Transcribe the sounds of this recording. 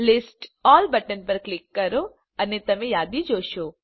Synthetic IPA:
lɪsʈɔːlbəʈənpəɾklɪkːɐɾo | ɐnet̪ɐmẽjaːd̪id͡ʒoːʃo

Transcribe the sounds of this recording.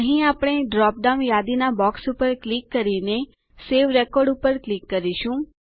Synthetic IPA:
əɦĩapɽ̃eɖɾɔp̚ɖãnjad̪inabɔksupəɾklikːəɾine | seʋɾɛkɔɾɖupəɾklikːəɾiʃũ

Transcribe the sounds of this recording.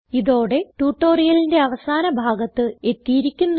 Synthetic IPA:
iðo̞ːɽe̞ʈuːʈːoːrijɐlinde̞ɐʋɐsaːnɐbʱaːɡɐt̪ːɨe̞t̪ːijiɾikʲːunː

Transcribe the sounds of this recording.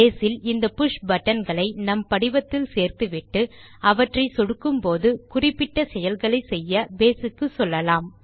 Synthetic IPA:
eːsɪlɪnd̪ɐpʊʂbɐʈːɐnɡɐɭɐɪnɐmpɐɽɪʋɐt̪ːɪlseːɾt̪ɯʋɪʈːɯ | ɐʋɐʈrɐɪsɔɽɯkːɯmpoːðɯkʊrɪpːɪʈːɐsɛjɐlɣɐɭɐɪsɛjːɐbeːsɯkːɯsɔlːɐlaːm

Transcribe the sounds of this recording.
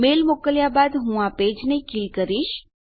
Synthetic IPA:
melmokəljabad̪ɦũaped͡ʒnekilkəɾiʃ

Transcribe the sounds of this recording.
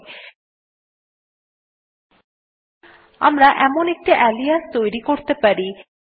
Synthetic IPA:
a̰mɾaʔɛmonek̚ʈiʔɛlijast̪ojɾikoɾt̪epaɾi

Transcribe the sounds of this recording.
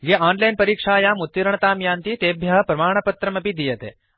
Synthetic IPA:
ɡeaːnlɐjnpɐɾiːkʂaːjaːmut̪ːiɾɳɐt̪aːmjaːnt̪it̪eːbʱjɐɦɐpɾɐmaːɳ̃ɐpɐt̪ɾɐmɐpid̪ijɐt̪ḛː

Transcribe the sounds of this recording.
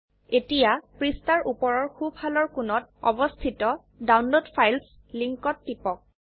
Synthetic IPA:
etijapɹistaɹʔupɔɹɔɹxubʱhalɔɹkʊnɔt̚ɔ̰bɔstʰitɔ | dawnlodpʰajls | liŋkɔtːipɔk̚

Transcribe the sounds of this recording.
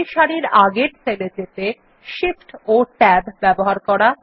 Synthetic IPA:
iʃaɾiɾaɡeɾt͡ɕʰeled͡ʑet̪e | ʃifʈoʈɛbbɛboɦaɾkɔɾa

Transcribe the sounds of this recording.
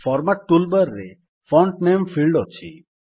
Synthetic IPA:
fʰɔɾmaʈːulbəɾːe | fʰɔɳʈnempʰilɖɔt͡ʃʰḭ

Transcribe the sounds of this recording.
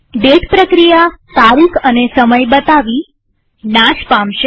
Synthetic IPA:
ɖeʈpɾəkɾijat̪aɾikənesəməjbət̪aʋi | naʃpamʃe

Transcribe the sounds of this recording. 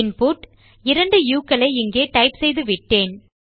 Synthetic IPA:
ɪnpuːʈ | ɪɾɐɳɖɯjuːkːɐɭɐɪɪŋɡeːʈɐɪpsɛjðɯʋɪʈːeːn

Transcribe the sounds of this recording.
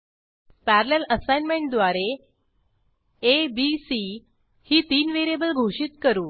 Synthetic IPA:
pæɾleləsajnmeɳʈ̚d̪ʋaɾe | ebisi | hiːt̪iːnʋeɾiebəlɡʱoɕit̪̚kəɾuː

